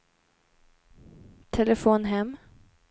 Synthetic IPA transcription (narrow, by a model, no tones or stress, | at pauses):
t̪ʰɛləfoːnɦɛmː